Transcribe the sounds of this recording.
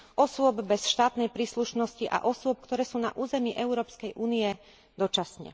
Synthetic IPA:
ʔɔsʊɔbbɛsʃt̪aːt̪nɛjpɾiːsluʃnɔsciʔa̰ʔɔsʊɔp̚kt̪ɔɾɛːsuːna̰ʔuːzɛmiʔɛʊɾɔːpskɛjʔuːniɛ | d̪ɔt͡ʃasɲɛ̰

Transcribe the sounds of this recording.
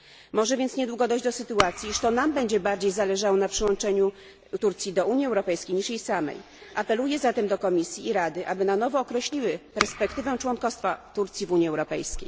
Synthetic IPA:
mɔʐɛvʲjɛnt̪sɲɛd̪wuɡɔd̪ɔʑd͡ʑd̪ɔsɘt̪uat̪sʲjiiʂt̪ɔnambɛɲd͡ʑɛbaɾd͡ʑejzalɛʐawɔnapʂɘwɔ̃nt͡ʂɛɲu | t̪uɾt̪sʲjid̪ɔuɲjiɛwɾɔpɛjskʲejɲiʂjejsamɛ̰j | ʔapɛlujɛzat̪ɛmd̪ɔkɔmʲisʲjiːɾad̪ɘʔabɘnanɔvɔːkɾɛɕlʲiwɘpɛɾspɛkt̪ɘvɛt͡ʂwɔnkɔst̪fat̪uɾt̪sʲjivuɲjiɛwɾɔpɛjskʲḛj

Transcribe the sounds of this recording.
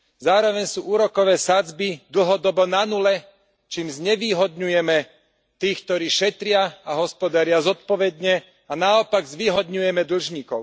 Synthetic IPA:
zaːɾɔʋɛɲsuːʔuːɾɔkɔʋɛːsad͡zbid̪l̩ɦɔd̪ɔbɔnanulɛ | t͡ʃiːmzɲɛʋiːɦɔd̪ɲujɛmɛ | t̪iːxkt̪ɔɾiːʃɛt̪ɾɪaaɦɔspɔd̪aɾɪazɔt̪̚pɔʋɛd̪ɲɛ | anaɔpaɡzʋiːɦɔd̪ɲujɛmɛd̪l̩ʒɲiːkɔʊ

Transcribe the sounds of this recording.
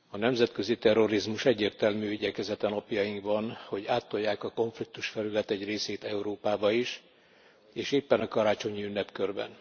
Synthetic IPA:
ɒnɛmzɛt̪kø̞zit̪ɛrːo̞ɾizmuʃɛɟːeːrt̪ɛlmyːiɟɛkɛzɛt̪ɛnopjɒjiŋkbɒnho̞ɟaːt̪ːo̞jːaːkɒko̞ɱflik̚t̪uʃfɛlylɛt̪ɛɟreːseːt̪ɛuɾoːpaːbɒiʃ | eːʃeːpːɛnɒkɒɾaːt͡ʃo̞ɲiynːɛpkørbɛ̰n

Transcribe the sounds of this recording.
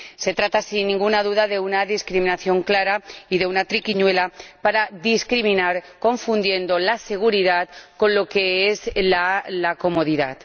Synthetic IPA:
se̞t̪ɾat̪asinːĩŋɡunað̞uðaðe̞unaðiskɾiminaθjo̞ŋklaɾaiðe̞unat̪ɾikiɲwe̞lapaɾaðiskɾimĩnaɾko̞ɱfund̪je̞nd̪olase̞ɣ̞uɾiðat̪ko̞nlo̞ke̞ezlalako̞moð̞iða̰t̪

